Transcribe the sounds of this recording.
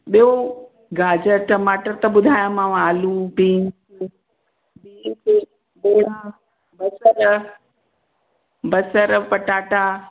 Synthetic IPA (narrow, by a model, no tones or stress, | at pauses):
ɓijo | ɡaːd͡ʑəʈɐmaːʈəɾt̪ɐɓʊd̪ʱaːjamãʋaːlupĩːn | bik | beːɾã | bɐsəɾ | bɐsəɾpɐʈaːʈaː